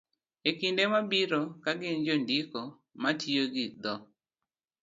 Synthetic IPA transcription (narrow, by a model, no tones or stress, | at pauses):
ekindemabiɾokaɡɪnd͡ʒondiko | matʰioɡɪd̪ɔ